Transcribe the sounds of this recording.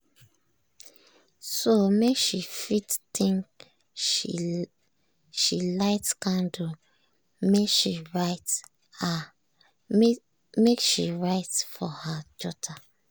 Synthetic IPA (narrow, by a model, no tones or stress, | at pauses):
somekʃifittĩŋk | ʃilaɪtkãndu | mekʃiɹaɪt | a | mekʃiɹaɪtfɔhadɔtʰa